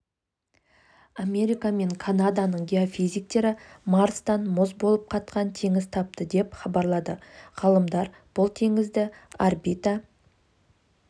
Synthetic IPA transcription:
ame̞ɾʲijkame̞ŋkʰanad̪anəɴɡʲeo̞fijzijk̚t̪e̞ɾɪmaɾst̪ɑnmʊzbo̞lˠəp̚qʰɑt̪̚qɑnt̪ʰe̞ŋɪz̥t̪ʰɑp̚t̪əd̪e̞pχɑbɑɾlˠɑd̪əʁɑlˠəmd̪ɑɾ | b̥ʊlˠt̪ʰe̞ŋɪzd̪ɪaɾbit̪a

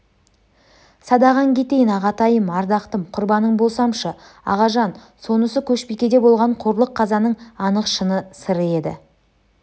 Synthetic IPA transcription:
sɑd̪ɑʁɑŋkʲʰe̞t̪e̞jɪnɑʁɑt̪ɑjəmɑɾd̪ɑqt̪əmqʰʊɾbɑnəɴbo̞lˠsɑmʃə | ɑ̰ʁɑʒɑn | so̞nəsəkʲʰɵʃpekʲe̞d̪e̞bo̞lˠʁɑɴqʰoɾlˠəqʰːɑzɑnəɴɑnəqʃənəsəɾəe̞d̪ɪ̰

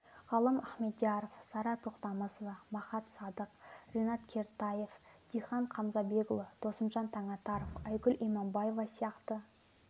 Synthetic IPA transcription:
ʁɑlˠəmæχme̞t̪ʒɑɾofsɑɾɑt̪ʰoqt̪ɑməsəmɑχɑt̪sɑd̪əqrenɑt̪kʲʰe̞ɾt̪ɑje̞fd̪̥ijχɑɴqʰɑmzɑbe̞ɡʊlˠəd̪̥o̞sənʒɑnt̪ʰɑɴɑt̪ɑɾəfæjkʊlʔijmɑmbɑjevɑsijɑqt̪ə

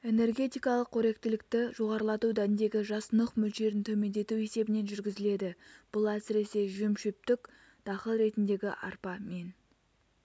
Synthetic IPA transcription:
e̞ne̞rɡʲe̞t̪ijkɑlˠəqʰːɵɾe̞k̚t̪ɪlɪk̚t̪ɪʒo̞ʁɑɾəlˠɑt̪ud̪æɪnd̪e̞ɡʲɪʒɑsnəqmʏlʃe̞ɾɪnt̪ʰɵme̞nd̪e̞t̪ue̞se̞bɪne̞nʒʏɾɡʲɪzɪle̞d̪ɪb̥ʊlˠæsɪɾe̞se̞ʒʏmʃʏp̚t̪ɪk | d̪̥ʰɑχəlˠɾe̞t̪ɪnd̪e̞ɡʲɪ̰ʔɑ̰ɾpɑme̞n

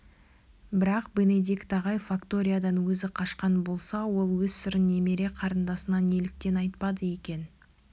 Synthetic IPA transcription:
bɪɾɑqbe̞ne̞d̪ikt̪ɑʁɑjfakt̪o̞ɾʲijad̪ɑnwɵzɪqʰɑʃqɑnbo̞lˠsɑwo̞lˠwɵzsʏɾɪnːe̞me̞ɾe̞qʰɑɾənd̪ɑsənɑne̞lɪk̚t̪e̞nɑjt̪̚pɑd̪əje̞kʲe̞n

